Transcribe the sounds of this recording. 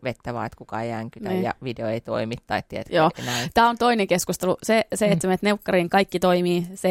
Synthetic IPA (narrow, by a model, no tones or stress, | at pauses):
ʋet̪ːæʋɑ̰ːet̪kukɑeæŋkynæiːjjɑ̰ʋideoeit̪o̰imit̪ːɑit̪t̪ːieḛt̪joːenæt̪æːont̪oineŋkeskust̪eluseseet̪smet̪neukːɑriːŋkɑikːit̪oimiːse